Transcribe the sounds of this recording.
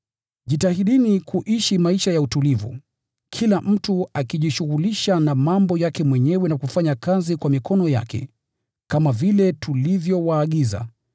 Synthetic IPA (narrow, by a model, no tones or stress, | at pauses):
ʄitahiɗinikuʔiʃimaiʃajautulivṵ | kʰilam̩tuakiʄiʃuɣuliʃanamambɔjakɛmwɛɲɛwɛnakufaɲakazikwamikʰɔnɔja̰kɛ̰ | kamavilɛtulivjɔwaːɠiza̰